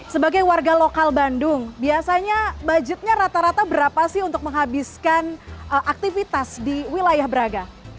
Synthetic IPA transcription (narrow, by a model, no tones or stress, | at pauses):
səbaɡajwarɡalokalbandʊŋbiasaɲabad͡ʒɪt̪̚ɲaɾat̪aɾat̪abəɾapasɪɦunt̪ʊk̚məŋɦabiskanəʔak̚t̪ifit̪asdiwilajahbəɾaɡa